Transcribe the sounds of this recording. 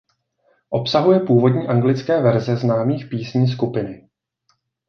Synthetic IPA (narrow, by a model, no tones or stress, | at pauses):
ʔo̞psaɦujɛpuːvo̞dɲiːʔaŋɡlɪt͡skɛːvɛɾzɛznaːmiːxpiːsɲiːs̬kupɪnɪ